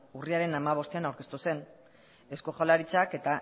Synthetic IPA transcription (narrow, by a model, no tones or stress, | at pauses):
uriaɾe̞namaβ̞o̞st̪eanawɾke̞st̪use̞n | e̞skoʝalaɾit͡sake̞t̪a